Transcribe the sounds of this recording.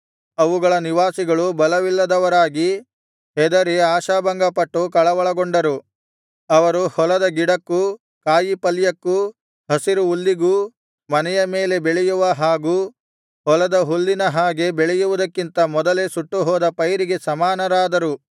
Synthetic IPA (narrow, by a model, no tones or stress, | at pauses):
ɐʋuɡɐɭɐniʋaːsiɡɐɭubɐlɐʋilːɐd̪ɐʋɐɾaːɡi | ɦɛd̪ɐɾeaːʃaːbɐŋɡɐpɐʈːukɐɭɐʋɐɭɐɡoɳɖɐɾu | ɐʋɐɾuhɔlɐd̪ɐɡiɽɐkːu | kaːjipɐlːjɐkːu | ɦɐsiɾuːlːiɡu | mɐnɛjɐme̞ːle̞beɭɛjuʋɐɦaːɡuː | hɔlɐd̪ɐɦulːinɐɦaːɡe̞beɭɛjuʋud̪ɐkːint̪ɐmɔd̪ɐle̞suʈːuɦɔːd̪ɐpɐjɾiɡe̞sɐmaːnɐɾaːd̪ɐɾu